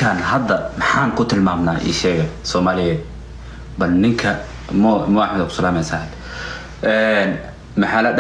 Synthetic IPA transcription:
anɦɐd̪ːɐmɑħaːŋkʰʊt̪ʰɪlmaːmna̰ːʔḭːʃɛːɣɐsɔːmaːlɪjɛːd̪̚ | bɐlnɪŋkʰɐ | mɔmʊaħmɐd̪ɐkʊ̥sɐlaːmɛjsɐd̪ | ʔɛn | mɑħaːlɐd

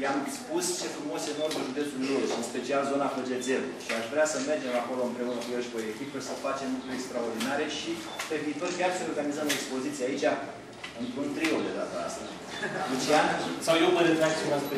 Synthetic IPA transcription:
lamspust͡ʃe̞fɾumoseno̞rd̪əʒud̪e̞t̪sullolesɨnspe̞t͡ʃialzo̞naklud͡ʒe̞d̪ze̞luʃiaʃvɾeasəme̞rd͡ʒe̞mako̞lo̞ɨmpɾeunəkueʃbojet̪ikesəfat͡ʃe̞mlukɾuekst̪ɾao̞rd̪inaɾe̞ʃi | pe̞viːt̪o̞rkʲarseo̞rɡanizəmekspo̞zit̪siait͡ʃʲa | ɨnp̪ɾunt̪ɾiold̪e̞d̪at̪əa̰st̪ə | d̪et͡ʃeasawjewvəɾet̪ɾaɡ̚t͡ʃemas

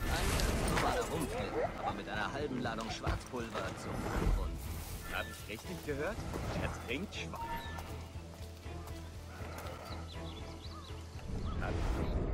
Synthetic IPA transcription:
ʔaɪnɛnɔmaːləʁʊmfɛlʔa̰ːbɐmɪtʔaɪnɐhalbm̩laːdʊŋʃv̥a̰ɐt͡spʰʊlvɐt͡sṵfa̰ʊntha̰ːbəɪçʁɪçtlɪçɡ̥əɦøːɐtɛsʁɪŋtʃv̥a | ha̰b

